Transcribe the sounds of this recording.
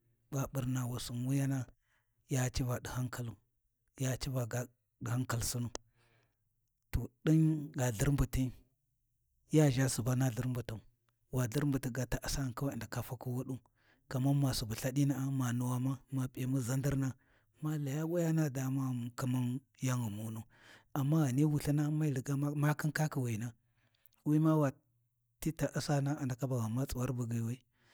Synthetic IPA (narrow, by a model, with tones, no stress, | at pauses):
ba˨ɓu˨ɾna˨wa˨su˨nwu˦ja˦na˦ | ja˦t͡ʃi˦va˨di˨ha˦ŋka˦lu˨ | ja˦t͡ʃi˦va˨ɡ | di˨ha˦ŋka˦˨lsu˦nu˨ | to˨ɗi˦nɡa˨ɮi˦ɾmbu˨ti˦ | ja˦ʒa˦su˨ba˦na˦ɮi˦ɾmbu˨tu˨ | wa˨ɮə˦ɾmbu˨ti˦ɡa˨ta˨ʔa˨sa˦˨nka˦wa˦˨nda˨ka˨fa˦ku˦wu˦ɗu˦ | ka˨ma˦ma˨su˨ba˨ɬa˦di˦na˦a˦ma˨nu˨wa˨ma˦ma˨pa˨mu˦za˦ndi˦ɾna˦ | ma˦la˨ja˦wa˦ja˦na˦˨da˨ma˦˨ku˦ma˦n | ja˦ŋu˨mu˨˦nu˨ | a˨mːa˦ɣa˨ni˦wu˨ɬa˦na˦ma˦i˨li˨ɡa˦ma˦ki˦nka˦ki˨wi˨na˦ | wi˦ma˦wa˨ | ti˦ta˨ʔa˦sa˦na˦a˨nda˨ka˦ba˨ɣa˨ma˦t͡sʼu˨wa˦ɾbu˨ɡi˨wa˦i˦